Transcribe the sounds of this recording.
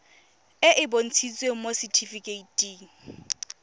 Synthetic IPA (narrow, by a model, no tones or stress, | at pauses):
ɪʔɪbon̩t͡sʰit͡sʼweŋ̩mosɪtʰifikʼeitʼiŋ